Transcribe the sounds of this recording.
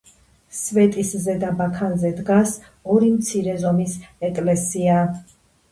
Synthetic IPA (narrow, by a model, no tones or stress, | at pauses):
svɛt̪ʼiszɛd̪abakʰanzɛd̪ɡas | ɔɾimt̪sʰiɾɛzɔmisɛkʼlɛsia